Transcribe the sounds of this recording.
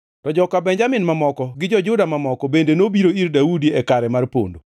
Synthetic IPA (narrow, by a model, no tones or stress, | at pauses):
tɔd͡ʒɔkabɛɲd͡ʒamɪnmamɔkɔɡɪd͡ʒɔd͡ʒʊdamamɔkɔbendenobiɾoirdaudiɛkaɾɛmarpo̰ndo